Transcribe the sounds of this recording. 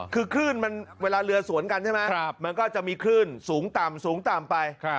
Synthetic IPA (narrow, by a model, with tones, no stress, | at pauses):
kʰɯː˧kʰɾɯː˥˩nma˧nweː˧laː˧ɾɯ˧ɐsu˨˩˦ənka˧nt͡ɕʰa˥˩jma˦˥kma˧nkɔː˥˩t͡ɕa˨˩ʔmiː˧kʰɾɯː˥˩nsuː˩˦ŋt̪a˨˩msuː˨˩˦ŋt̪aː˨˩mpa˧jʰ